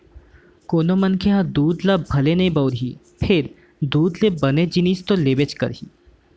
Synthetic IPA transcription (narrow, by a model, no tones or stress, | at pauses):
koːnomɐnkʰeɦãd̪uːd̪labʱɐlenɐɦĩbɔːɾɦi | pʰɪɾ | d̪uːd̪lebɐned͡ʒɪnist̪oleːbet͡ʃkə̰ɾɦḭː